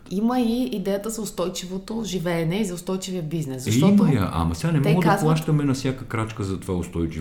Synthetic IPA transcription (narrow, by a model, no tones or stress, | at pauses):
imɐiːd̪ɛjət̪əzɐʊst̪ɔjt͡ʃivot̪oʒivɛːnɛizɐʊst̪ɔjt͡ʃivijəbiznɛszɐʃitmɐjɐ̰ʔɐ̰mɐ̰sɛɡanɛmɔɛɡəaplˠaʃt̪əmɛnɐfsʲjakəkɾat͡ʃkəzɐt̪ovaʊst̪ɔjt͡ʃi